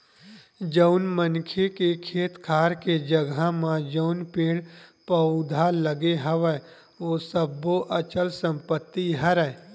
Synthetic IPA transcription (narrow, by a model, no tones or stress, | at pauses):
d͡ʒəʊnmənkʰekekʰeːt̪kʰaːɾked͡ʒəɡamãd͡ʒəʊnpeːɽpəʊd̪ʱaləɡeɦəʋə | ʋoːsəboʔət͡ʃəlsə̃mpət̪ːiɦəɾɛ